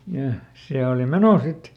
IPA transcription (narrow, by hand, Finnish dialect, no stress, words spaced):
jɑ jɑ se oːli meno sit